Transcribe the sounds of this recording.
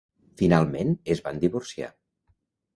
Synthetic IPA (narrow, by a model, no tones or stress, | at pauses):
finalˠmenezβand̪iβuɾsia̰